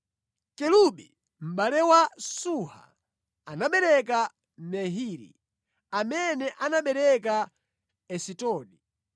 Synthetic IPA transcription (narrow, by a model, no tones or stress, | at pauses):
kɛluɓi | m̩ɓalɛwasuha̰ | anaɓɛɾɛka | mɛɦiɾḭ | amɛnɛʔanaɓɛɾɛka | ɛsitɔːɗi